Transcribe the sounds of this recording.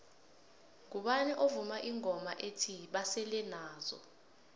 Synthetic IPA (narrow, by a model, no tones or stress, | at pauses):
k̬uɓanɛʔovumaʔiŋʱɔmaʔetʰiɓasɛlɛnaːzɔ̰